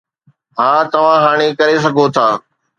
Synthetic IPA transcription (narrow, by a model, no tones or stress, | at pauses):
ɦãːt̪ɐʋ̤ãɦaːɽ̃ekɐɾes̬ɐɡʱot̪ʰaː